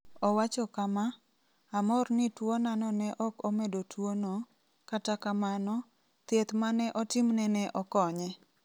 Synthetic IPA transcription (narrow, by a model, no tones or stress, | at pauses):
ɔwat͡ʃɔkama | amɔrnɪtwonanɔnɛʔɔkomedotwono | katakamanɔ | t̪et̪manɛʔɔtɪmnɛnɛʔɔkɔɲɛ